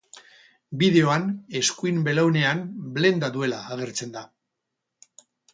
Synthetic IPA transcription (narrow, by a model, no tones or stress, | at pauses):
bið̞e̞o̞ane̞skuimbe̞lawne̞anble̞nd̪aðue̞laːɣ̞e̞ɾt͡se̞nd̪a